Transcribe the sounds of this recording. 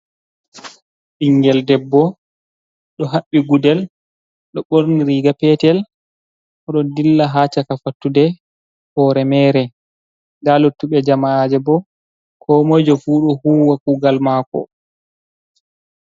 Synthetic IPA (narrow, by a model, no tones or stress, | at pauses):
ɗiŋɡɛldɛbːɔ | ɗɔɦaɓːiɡudɛl | ɗɔɓoɾniɾiɡapɛtɛl | ʔɔɗɔndilːaɦaːt͡ʃakafatːudɛ | hɔːɾɛmɛːɾɛ | dalotːuɓɛd͡ʒamaad͡ʒɛbɔ | kʰɔmojd͡ʒɔfuːɗɔhuːwakuɡalmaːkɔ̰